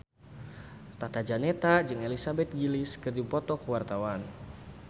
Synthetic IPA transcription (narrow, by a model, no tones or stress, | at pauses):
t̪at̪ad͡ʒanet̪ad͡ʒɨŋelisabɛt̪̚ɡilɪskɨrd͡ʒipɔt̪ɔkəwart̪awan